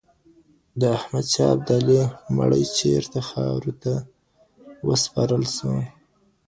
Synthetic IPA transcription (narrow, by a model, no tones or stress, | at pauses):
d̪əahmad̪t͡ʃɑab̚d̪alema̰ɽəjt͡ʃeɾt̪axɑɾut̪a | wəspɑɾəlʃu